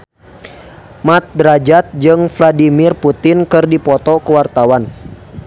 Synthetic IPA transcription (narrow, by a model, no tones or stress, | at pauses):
mat̪̚dɾad͡ʒat̪̚d͡ʒɨŋfladimɪrput̪ɪnkɨrdipɔt̪ɔkəwart̪awan